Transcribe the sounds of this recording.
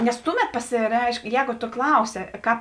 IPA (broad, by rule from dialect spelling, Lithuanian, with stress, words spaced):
nʲɛs ˈtʊˌmʲɛt pɐsʲɪˈrʲɛɪʃk ˈjɛːɡʊ toː ˈklˠɐʊsʲɪ ˈkɑːp